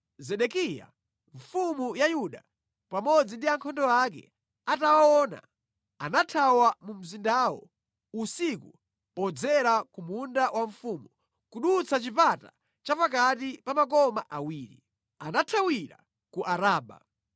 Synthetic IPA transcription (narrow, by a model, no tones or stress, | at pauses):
zɛɗɛkija̰ | ɱ̩fumujajuɗa | pamɔd͡zindiaŋkʰɔndɔak̬ɛ̰ | atawawɔːna̰ | anatʰawamum̩zindawɔ̰ | usiku | pɔd͡zɛɾakumundawʔaɱfumu | kuɗut͡sʰat͡ʃipata | t͡ʃapak̬atipamakɔmaʔawiːɾḭ | anatʰawiɾa̰ | kuʔaɾaːɓa̰